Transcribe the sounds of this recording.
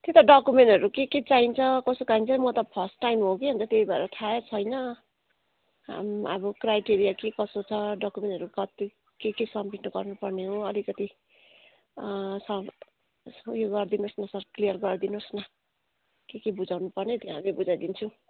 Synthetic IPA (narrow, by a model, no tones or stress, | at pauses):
t̪jot̪ʌɖʌkumeɳʈʌɾukeket͡saɦint͡sʰʌkʌsokaint͡sʰʌmʌt̪ʌpʰʌsʈːajmɦokeɦʌnt͡s̪ʌt̪eibaḛɾʌʈ̪ʰaet͡sʰʌjnʌ | ɦa̰mʌ̰bʌkrajʈeɾijakekʌsot͡sʰʌɖʌkumeɳʈʌɾukʌt̪i | kekesʌmpiʈnʌɡʌrnupʌrneɦoʌlikʌt̪i | sʌ | ujoɡɡʌrd̪inosnʌsʌrklijʌrɡʌrd̪inosnʌ | kekebud͡zawnupʌrnet̪joɦamibud͡zajd̪int͡sʰũ